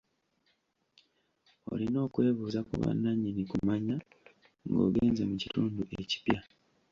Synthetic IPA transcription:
o̞̰lino̞ːkwe̞ːβuːzakṵβa̰nːaɲinikumaɲa | ŋɡo̞̰ːɡeːnze̞mucituːnduʔe̞ci̥pja

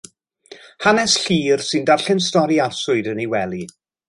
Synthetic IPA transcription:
hanɛsɬiːrsɨndarɬɛnstɔɾiarsʊɨdənewɛlˠi

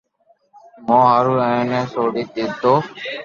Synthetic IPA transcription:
mõːɦaːɾuːɛ̃ːnɛ̃ːsoːɽiːt̪iːt̪oː

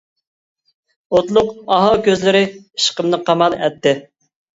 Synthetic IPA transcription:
ot̪lˠʊqɑɦɑwkʲʰøzlɪɾɪiʃqəmnɨqʰɑmɑlˠɛ̰t̪ːɪ

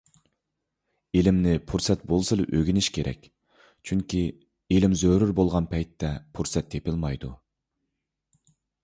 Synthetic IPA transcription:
elɪmnɪpʰuɾsɛt̪bolˠsɨlˠɨʔøɡʲinɪʃkʲʰeɾʔɛ̰kʲ | t͡ʃʰyŋkʲʰi | elɪmzøɾyɾbolˠʁɑnpʰɛjt̪ʰːɛpʰuɾsɛt̪ːepɪlmɑjd̪u

